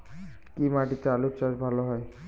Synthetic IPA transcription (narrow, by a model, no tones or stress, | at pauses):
kimaʈitɛalup̚t͡ʃazbʱalɔɦɔj